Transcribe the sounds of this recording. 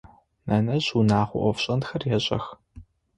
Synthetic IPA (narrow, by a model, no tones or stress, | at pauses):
nɐnɐʑunaːχʷʊʔʷɔfɕʼɐntxɐrjɛɕʼɐ̰x